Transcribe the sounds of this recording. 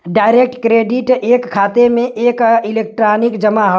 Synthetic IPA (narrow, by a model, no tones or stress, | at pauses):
ɖaːɪɾek̚ʈkɾeːɖiʈeːkʰːaːt̪emẽʔeːkilek̚ʈɾaːnɪkd͡ʒəmaɦo